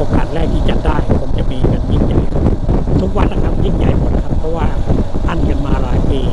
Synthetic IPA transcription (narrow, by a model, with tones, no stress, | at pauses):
ʔo˧ka̰ː˨˩t̪̚ɾɛː˥˩k̚t̪ʰiː˥˩t͡ɕa˨daː˥˩jpʰo˧mt͡ɕa˨˩ʔmiː˧ka˧nt͡ɕi˧˩ŋt͡ɕa˧jt̪ʰu˦˥k̚wa˧nla˧˩kʰa˧˥mji˧˩ŋja˧˩jmo˨˩˦t̪̚kʰa˦˥˩pʰːɔ˦˥waː˥˩t̪ʰa˥˩nka˧nmaː˧laː˨˧˦jʔeː˧˩